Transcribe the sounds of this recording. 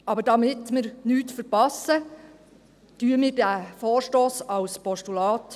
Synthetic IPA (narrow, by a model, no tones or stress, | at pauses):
ɑbəɾdɑmɪtmɪɾnyːtfəɾpɑsə | tyːəmɪːɾdæfoːɾʃtoːsɑwspɔʃtulɑːt